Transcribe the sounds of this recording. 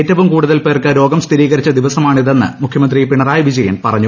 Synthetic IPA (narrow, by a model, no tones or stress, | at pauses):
etːɐʋumkuːɽuðɐlpe̞ːrkɨɾo̞ːɡɐmst̪ʰiɾiːɣɐɾit͡ɕːɐd̪iʋɐsɐmaːɳiðe̞nːɨ̰mukʰjɐmɐnd̪ripiɳɐraːjʋid͡ʑɐjɐnpɐrɐɲːu